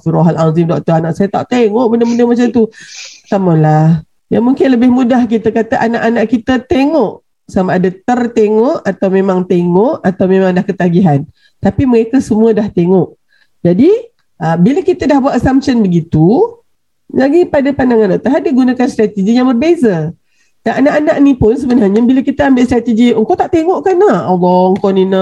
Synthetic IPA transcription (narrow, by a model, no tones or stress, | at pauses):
suɾoɦalazɪmdɔk̚t̪ɔranaʔsajat̪a̰ʔt̪eŋɔʔ̚bəndəməndəmat͡ʃamt̪ut̪amalah | jaŋmũŋkɪnləbɪhmudahkit̪akat̪aʔanaʔanaʔkit̪ət̪eŋɔʔ | samaːdat̪ərt̪eŋɔʔat̪awmemãŋt̪eŋɔʔat̪awmẽmãŋdahkət̪aɡiɦan | t̪apiməɾekasəmũədaht̪eŋɔʔ | d͡ʒadi | ʔəbilakit̪ədahbuat̪asampʃənbəɡit̪u | laɡipadapandaŋanaʔt̪aɦadiɡunakanst̪ɾat̪ed͡ʒijaŋbərbeza | daŋanaʔanaʔnĩpʊns̬əbənarɲabilakit̪əambɪʔst̪ɾat̪ed͡ʒiŋkawt̪aʔt̪eŋɔʔkanahɔlɔŋkɔninə